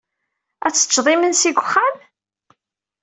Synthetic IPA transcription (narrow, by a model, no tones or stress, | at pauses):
æt͡sːə̥t͡ʃːðˤimənsiɡʷəχːam